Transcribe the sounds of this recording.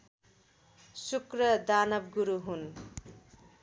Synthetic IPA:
sukrʌd̪anʌb̚ɡuɾuɦun

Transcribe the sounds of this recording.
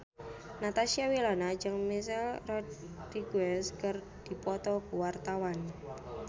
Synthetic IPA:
nat̪asiawilanad͡ʒəŋmis̬ɛlrɔdriɡɛskər | d̪̥i̤pɔt̪ɔkuwart̪awan

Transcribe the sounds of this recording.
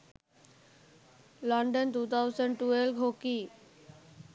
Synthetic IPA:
lɔɳɖənt̪uːt̪ʰawsəɳɖʈuelɡʱokiː

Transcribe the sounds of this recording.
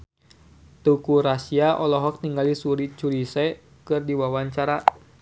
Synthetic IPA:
t̪ukuɾasiaʔɔlɔɦɔk̚t̪iŋɡalisuɾit͡ʃulisɛ | kɨrdiwawaɲt͡ʃaɾa

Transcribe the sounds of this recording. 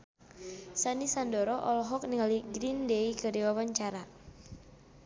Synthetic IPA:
sanisandɔɾɔʔɔlɔɦɔk̚niŋaliɡɾindeikədiwawaɲt͡ʃaɾa

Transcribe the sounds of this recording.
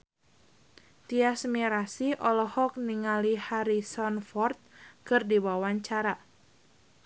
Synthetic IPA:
t̪iasmiɾasiʔɔlɔhɔk̚niŋalihaɾisɔnfɔrt̪̚kɨrdiwawaɲt͡ʃaɾa

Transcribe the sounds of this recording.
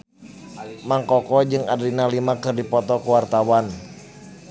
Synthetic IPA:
maŋkɔkɔd͡ʒɨŋa̰dɾinalimakɨrdipɔt̪ɔkuwart̪awan

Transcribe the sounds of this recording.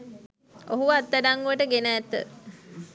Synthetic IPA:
oɦuʋat̪ːaɖaŋɡuʋəʈəɡenəːt̪ːə̰

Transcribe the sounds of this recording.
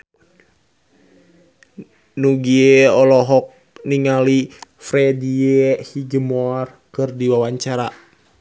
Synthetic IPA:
nuɡieɔlɔɦɔk̚ | niŋalifɾediehiɡəmoar | kɨrdiwawaɲt͡ʃaɾa

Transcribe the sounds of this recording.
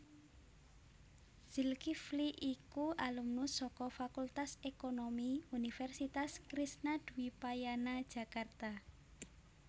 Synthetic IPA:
z̥ilkifliʔikuʔalumnusɔkɔfakult̪asekonomiunifɛrsit̪askɾisnad̪̥ṳwipajanad̥ʒ̥a̤kart̪a

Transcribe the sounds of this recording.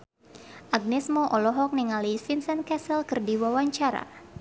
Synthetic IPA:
ʔaɡ̚nɛsmɔʔɔlɔɦɔk̚niŋalisinsənkɛsəlkɨrdiwawaɲt͡ʃaɾa̰

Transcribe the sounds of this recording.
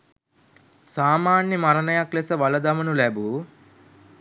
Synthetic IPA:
saːmaːnjɐmɐɾɐnɐjaklesɐʋɐlɐd̪ɐmɐnuleːbu

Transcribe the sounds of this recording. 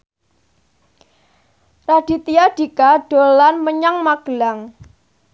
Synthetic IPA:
raɖ̥i̤t̪ijaɖ̥i̤kaɖ̥o̤lanməɲaŋmaɡ̥əlaŋ

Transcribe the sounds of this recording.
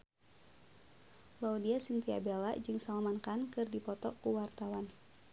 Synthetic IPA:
laudiasiŋt̪ia̰bela̰d͡ʒɨŋsalmankankɨrdipɔt̪ɔkuwart̪awan

